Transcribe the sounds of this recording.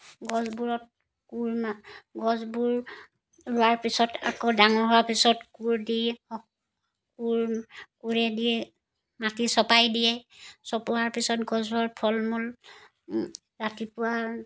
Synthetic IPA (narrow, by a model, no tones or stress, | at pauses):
ɡɔzbuɹɔt̚ | kuɹmɡɔzbuɹ | ɹʊwaɹpisɔtʰa̰kɔdaŋɔɹɦɔwapisɔtkuɹdi | kuɹkuɹɛdi | matisɔpajdijɛsɔpʊwaɹpisɔtɡɔzbɔɹpʰɔlmɔl | ɹatipʊwa